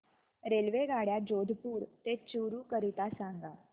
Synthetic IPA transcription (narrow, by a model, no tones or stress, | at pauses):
ɾelʋeɡʱaɽjad͡ʑod̪ʱpuːɾt̪et͡ɕuɾuːkəɾit̪asãŋɡa